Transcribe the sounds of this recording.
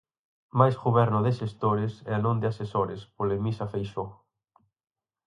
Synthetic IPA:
majsɣuβɛɾnʊðɪʃest̪oɾɪsɛ̰anõnd̪ɪasesoɾɪspolemisɐfejʃo

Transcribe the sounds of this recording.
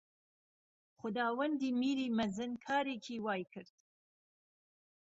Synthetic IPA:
χʊd̪ɑːwand̪imiɾimazənkʰɑːɾekʰiwɑːjkʰəɾt̪

